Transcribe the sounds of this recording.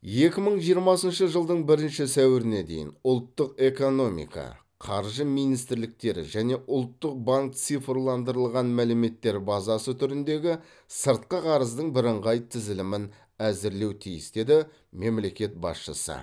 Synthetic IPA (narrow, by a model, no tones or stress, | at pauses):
je̞kʲɪməɴʒijəɾmɑsənʃəʒəlˠd̪əɴbɪɾɪnʃɪsæwɪɾɪne̞d̪e̞̰jɪ̰nʊlˠt̪ːəqe̞ko̞no̞mḭkɑ̰ | qʰɑɾʒəmijnijst̪ɪɾlɪk̚t̪e̞ɾɪ̰ʒæne̞ʔʊlˠt̪ːəq̚baŋk̚t̪sijfrlˠɑnd̪əɾəlˠʁɑnmælɪme̞t̪ːe̞ɾbɑzɑsət̪ʰʏɾɪnd̪e̞ɡʲɪ | səɾt̪̚qəqʰɑɾəzd̪əɴbɪɾəɴʁɑjt̪ʰɪzɪlɪmɪn | æzɪɾle̞wt̪ʰijɪ̰sd̪e̞d̪ɪ | me̞mle̞kʲe̞t̪̚bɑ̰sʃə̰sə̰